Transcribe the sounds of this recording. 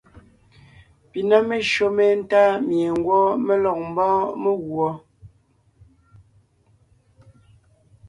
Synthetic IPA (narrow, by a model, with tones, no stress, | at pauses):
pi˨na˦me˨ʃo˦me˦˨n̩˦taː˦mje˨ŋ˦ɡwɔ˦me˦lɔ˨k̚m̩˦bɔ̃ː˦me˦ɣwɔ˨˦